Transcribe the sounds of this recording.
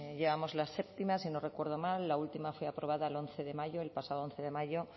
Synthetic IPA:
ʎe̞βamo̞zlase̞pt̪imasino̞re̞kwe̞ɾð̞o̞malːault̪imafweapɾo̞βaðaelo̞nθe̞ðe̞maʝo̞elpasaðoonθe̞ðe̞maʝo̞

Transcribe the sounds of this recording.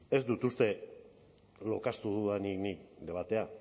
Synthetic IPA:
e̞zd̪ut̪ust̪e̞ | lo̞̰kast̪uðuðaniknik̚d̪e̞βat̪e̞a

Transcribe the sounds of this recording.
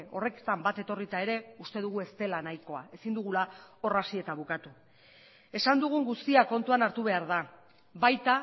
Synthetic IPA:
o̞re̞kt̪ambat̪e̞t̪o̞rit̪ae̞ɾe̞ust̪e̞ðuɣ̞ue̞st̪e̞lanajko̞ae̞sind̪uɣulao̞rasie̞t̪aβukat̪u | e̞sand̪uɣ̞uŋɡust̪iako̞nt̪uanaɾt̪uβ̞e̞aɾða | βajt̪a

